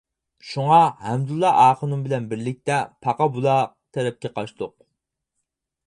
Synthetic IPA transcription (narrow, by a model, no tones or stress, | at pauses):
ʃuŋɑhɛmd̪ulˠːɑʔɑːqʰənumbɪlɛnbɪɾlɪk̚ʲt̪ɛpʰɑqɑbulˠɑ | t̪ʰɛɾɛp̚kʲɛqʰɑʃt̪oq̚